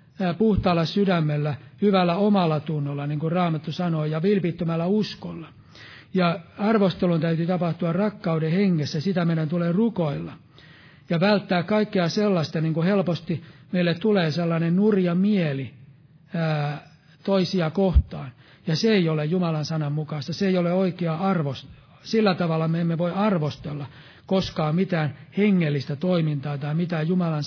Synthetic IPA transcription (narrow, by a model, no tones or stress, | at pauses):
puht̪ɑːlːɑssydæmːelːæhyʋælːæomɑlːɑt̪unːolːɑniŋkurɑːmɑt̪ːusɑnoːjɑʋilpit̪ːømælːæuskolːɑ | jɑɑrʋost̪elunt̪æyt̪yt̪ɑpɑht̪uɑrrɑkːɑudeheŋːesːæsit̪æmeiɾænt̪ulerukoilːɑ | jɑʋælt̪ːæːkkɑikːeɑselːɑst̪ɑniŋkuhelpost̪imeilːet̪t̪uleːselːɑnennurjɑmieli | æː | t̪oisiɑkoht̪ɑːn | jɑseeiolejjumɑlɑnsɑnɑmmukɑst̪ɑseeijoleoikeɑɑrʋos | silːæt̪ɑʋɑlːɑmeemːeʋoiɑrʋost̪elːɑ | koskɑːmit̪æːnheŋːelːist̪æt̪oimint̪ɑːt̪ɑimit̪æːjumɑlɑn